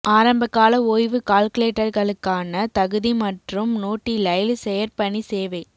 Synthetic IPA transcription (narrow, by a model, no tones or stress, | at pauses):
ʔaːɾɐmbɐkːaːlɐoːjʋɯkaːlkɯleːʈːɐɾɣɐɭɯkːaːnɐt̪ɐɣɯðimɐʈrɯmnoːʈːilɐɪlsɛjɐɾpɐɳːiseːʋɐɪ